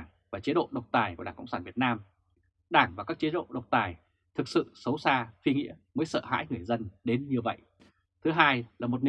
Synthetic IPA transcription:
ŋ | vaː˨˩t͡ɕi˨˦ɗo̰˧˨ɗə˨˩wk͡p̚t̪aː˨˩jku˧˩ɗaː˧˩kə̰˧wŋ͡msaː˧˩nvi˨˩ət̚naː˧m | ɗaː˧˩ŋvaː˨˩kaː˦˥k̚t͡ɕi˨˦ɗo̰˧˨ɗə˨˩wk͡p̚t̪aː˨˩j | t̪ʰɨ˨˩k̚sɨ̰˧˨sə˨˦wsaː˧fi˧ŋḭ˧˥əməː˨˦jsə̰ː˧˨ha̰ː˧˥jŋɨ˨˩əjzə˧nɗe˨˦nɲɨ˧və̰˧˨jʔ | t̪ʰɨ˨˦ɦaː˧jlaː˨˩mo˨˩t̚n˨

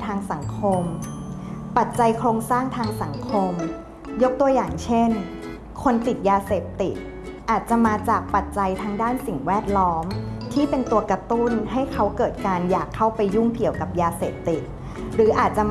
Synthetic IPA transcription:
t̪ʰaː˧ŋsa˩˦ŋkʰo˧m | pa˨˩t̪̚t͡ɕa˧jkʰɾoː˧ŋsaː˥˩ŋt̪ʰaː˧ŋsa˨˩˦ŋkʰo˧m | jo˦˥k̚t̪u˧ɐjaː˨˩ŋt͡ɕʰe˥˩n | kʰo˧nt̪i˨˩t̪̚jaː˧seː˨˩p̚t̪i˨˩t̪̚ | ʔaː˨˩t̪̚t͡ɕa˨˩maː˧t͡ɕaː˨˩k̚pa˨˩t̪̚t͡ɕa˧jt̪ʰaː˧ŋdaː˥˩nsi˨˩ŋwɛː˥˩t̪̚lɔː˦˥mt̪ʰiː˥˩pe˧nt̪u˧ɐkɾa˧t̪u˥˩nɦa˥˩jkʰa˦˥wkɤː˨˩t̪̚kaː˧njaː˨˩kʰːa˥˩wpa˧jːu˥˩ŋki˨˩əwka˨˩p̚jaː˧seː˨˩p̚t̪i˨˩t̪̚ | ɾɯː˩˦ʔaː˨˩t̪̚t͡ɕa˨˩

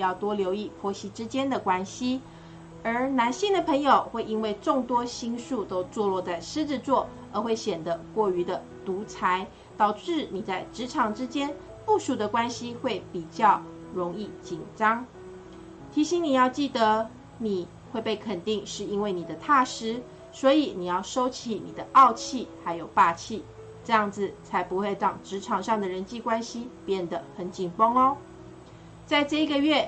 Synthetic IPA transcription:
jɑ˥˩ʊt̪wɔ˥ljo˧˥ʊi˥˩pʰwɔ˧˥ɕi˧˥ʈ͡ʂɻ̩˦t͡ɕjɛ˥nd̪ə˨kwa˥nɕi˥ | ə˞˧˥na˧˥nɕi˥˩ŋd̪ə˨˩pʰə˧˥ŋjo˨˩ʊxwe˥˩ɪi˥nwe˥˧ɪʈ͡ʂʊ˥˩ŋt̪wɔ˥ɕi˥ŋʂu˥˧t̪o˥ʊt͡swɔ˥˧lwɔ˥˧t͡sa˥˩ɪʂɻ̩˥ʈ͡ʂɻ̩˥˧t͡swɔ˥˩ | ə˧˥xwe˥˩ɪɕjɛ˨˩nd̪ə˦kwɔ˥˩y˧˥d̪ə˧ | t̪u˧˥t͡sʰa˧˥ɪ | t̪ɑ˨˩ʊʈ͡ʂɻ̩˥˩ni˨˩t͡sa˥˩ɪʈ͡ʂɻ̩˧˥ʈ͡ʂʰɑ˨˥ŋʈ͡ʂɻ̩˥t͡ɕjɛ˥n | pu˥˩ʂu˨˩d̪ə˦kwa˥nɕi˦xwe˥˩ɪpi˨˩t͡ɕjɑ˥˩ʊ | ɻʊ˧˥ŋi˥˩t͡ɕi˨˩nŋʈ͡ʂɑ˥ŋ | t̪ʰi˧˥ɕi˧˥ŋni˨˩jɑ˥˧ʊt͡ɕi˥˩d̪ə˧˦ | ni˨˩ | xwe˥˧ɪpe˥˩ɪkʰə˨˩nt̪i˥˧ŋʂɻ̩˥˩i˥nwe˥˩ɪni˨˩d̪ə˦t̪ʰa˥˩ʂɻ̩˧˥ | swɔ˧˥i˨˩ni˨˩jɑ˥˩ʊʂo˥ʊt͡ɕʰi˧˩ni˨˩d̪ə˦ʔɑ˥˧ʊt͡ɕʰi˥˩xa˧˥ɪjo˨˩ʊpa˥˧t͡ɕʰi˥˩ | ʈ͡ʂɤ˥˧jɑ˥˩ŋd͡zɹ̩˨˩t͡sʰa˧˥ɪpu˧xwe˥˧ɪʈ͡ʂɑ˨˩ŋʈ͡ʂɻ̩˧˥ʈ͡ʂʰɑ˨˩ŋʂɑ˥˩ŋd̪ə˩ɻə˧˥nt͡ɕi˥˧kwa˥nɕi˦pjɛ˥˩nd̪ə˩xə˨˩nt͡ɕi˨˩ŋpo˥ŋo˦ | t͡sa˥˧ɪʈ͡ʂɤ˥˧i˧˥ɡə˨ɥɛ˥˩

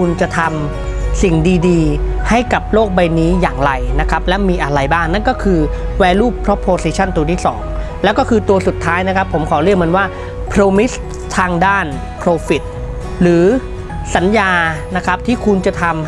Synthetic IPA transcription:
u˧nt͡ɕa˨˩t̪ʰa˧m | si˨˩ŋdiː˧diː˧ha˥˩jka˨˩p̚loː˥˩k̚ba˧jniː˦˥jaː˨˩ŋɾa˧jna˦˥kʰa˦˥p̚lɛ˦˥wmiː˧ʔa˧ɾa˧jbaː˥˩ŋna˥˩nkɔː˥˩kʰɯː˧wɛː˧luː˥˩pʰːɾɔ˦˥pʰːoː˧siː˧˥t͡ɕʰa˥˩nt̪u˧t̪ʰiː˥˩sɔ̰ː˩˦ŋlɛ˦˥wkɔː˥˩kʰɯː˧t̪u˧ɐsu˨˩t̪ʰːaː˦˥jna˦˥kʰa˦˥pʰːo˩˦mkʰɔː˩˦ɾɯ˥˩əkmː˧nwaː˥˩ | pʰɾoː˧mi˦˥s | t̪ʰaː˧ŋdaː˥˩n | pʰɾoː˧fi˨˩t̪̚ | ɾɯː˩˦ | sa˩˦njaː˧na˦˥kʰa˦˥p̚t̪ʰiː˥˩kʰu˧nt͡ɕa˨˩t̪ʰa˧m

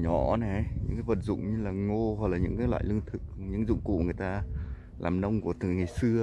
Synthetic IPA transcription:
ɲɔ˧˩˦nɛ˨˩˦jɲɲɨ̰˧˥ŋkaː˨˦jvə˨˩t̚zʊ̰˧˨ŋ͡mɲɨ˧laː˨˩ŋo˧ha˨˩k̚laː˨˩ɲɨ̰˧˥ŋkaː˨˦jlw̰a̰ː˧˨jlɨ˧əŋt̪ʰɨ˨˩k̚ɲɨ̰˧˥ŋzʊ̰˧˨ŋ͡mkṵ˧˨ŋɨ˨˩əjt̪aː˧ | laː˨˩mnə˧wŋ͡mku˧˩ət̪ɨ˨˩ŋa˨˩jsɨ˧ə

